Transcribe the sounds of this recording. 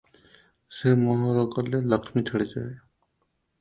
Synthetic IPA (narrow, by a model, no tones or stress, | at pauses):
semɔɦɔɾɔɡɔlːeləkʰmitʰaɽid͡ʒaj